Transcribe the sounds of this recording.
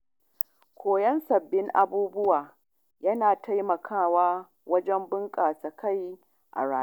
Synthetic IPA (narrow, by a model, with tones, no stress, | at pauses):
kʷʰoː˨jɐ˦nsɐ˨bːɪ˦ŋʔa̰˨buː˦bʊ˦waː˨ | jɐ˦naː˨tʰa˦jmɐ˨kʰaː˦˨waː˦ | wɐ˦d͡ʒɛ˦mbɪ˦ŋkʼaː˨sɐ˨kʰa˦˨j | ʔa̰˨ɽaː˦